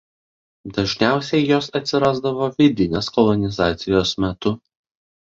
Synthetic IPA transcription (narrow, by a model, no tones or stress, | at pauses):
d̪ɐʒʲnʲæˑʊsʲɛɪjoːsɐt̪ʲsʲɪɾɑːzd̪ɐʋoːʋʲɪd̪ʲɪnʲeskɔlˠɔnʲɪzɑːt̪sʲɪjoːsmʲɛt̪ʊ